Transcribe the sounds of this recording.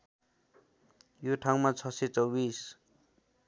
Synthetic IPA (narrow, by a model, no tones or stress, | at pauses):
joʈʰaŋmat͡sʰʌset͡sʌwbis